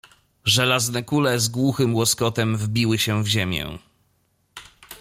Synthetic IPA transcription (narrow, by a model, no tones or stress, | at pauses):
ʐɛlaznɛkulɛzɡwuxɘmwɔskɔt̪ɛmvbʲiwɘɕɛvʑemʲjɛ̰̃